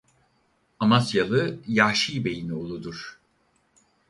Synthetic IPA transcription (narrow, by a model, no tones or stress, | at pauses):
amasjalˠɯjaʃijbe̞jinio̞lˠud̪uɾ̥